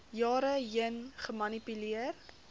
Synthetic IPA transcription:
jɑːɾəjənχəmɐnipyliər

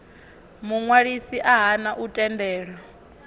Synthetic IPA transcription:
muŋwaɺisiʔaɦanaʔutʼɛndɛːɺa

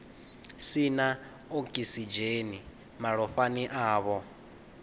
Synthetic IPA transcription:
sina | ɔkʼisid͡ʒeni | maɺɔɸaniʔaːβɔ

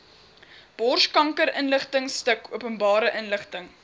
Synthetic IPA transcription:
b̥ɔrʃkɐŋkəɾənləχtəŋstəkuəpənbɑːɾəʔənləχtəŋ

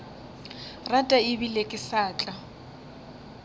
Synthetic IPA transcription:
ratʼaɪbilekʼɪsaːt͡ɬʼa

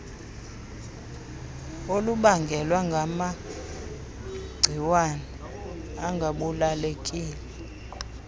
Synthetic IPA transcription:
oluɓaŋɡʱɛlwaŋɡʱama | ɡ͡ǀʱiwanɛ | aŋɡʱaɓulalekʼiːlɛ

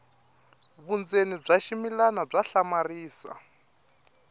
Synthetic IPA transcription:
βund͡zenib͡ʐaʃimilanab͡ʐaɬamariːsa̰

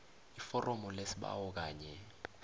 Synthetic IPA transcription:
ifɔrʔɔmɔlesiɓa̰wɔk̬aːɲɛ

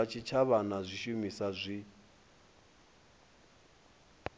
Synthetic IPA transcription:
at͡ʃʰit͡ʃʰaβanazʷiʃumisazʷi

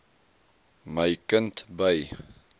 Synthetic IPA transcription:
məjkəntbəj

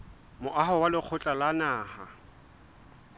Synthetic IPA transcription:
mʊʔaɦɔwalɪk͡xʰʊt͡ɬʼalanaːha

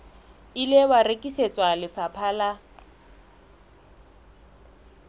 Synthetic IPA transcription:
ilewarekʼiset͡sʼwalɪfapʰaːla

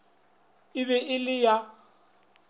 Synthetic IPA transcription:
ɪβɛʔɪlɪja

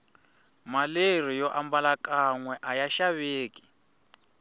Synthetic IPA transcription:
maler̤ijɔʔambalakaŋwɛʔajaʃaβeːki̥

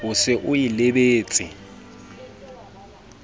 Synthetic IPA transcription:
ʊsɪʔʊjilɪbeːt͡sʼɪ

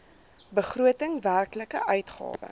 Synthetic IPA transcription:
bəχruətəŋværkləkəʔœɥtχɑ̰ːvə̰

